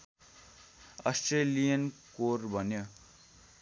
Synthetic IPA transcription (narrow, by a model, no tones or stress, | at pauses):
ʌsʈrelijʌnkorbʱʌnjo